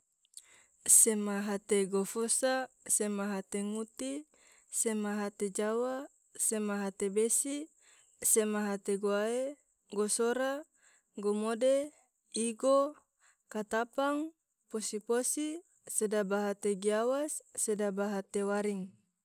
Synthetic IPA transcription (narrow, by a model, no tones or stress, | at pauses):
semaɦat̪eɡofosa | semaɦat̪eŋut̪i | semaɦat̪ed͡ʒawa | semaɦat̪ebesi | semaɦat̪eɡoae | ɡosoɾa | ɡomode | iɡo | kat̪apaŋ | posiposi | sedabaɦat̪eɡiawasːedabaɦat̪ewaɾiŋ